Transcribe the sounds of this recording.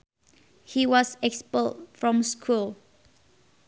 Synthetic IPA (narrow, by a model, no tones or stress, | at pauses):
hiwɔsɛkspəltfɹɔ̃mskʰul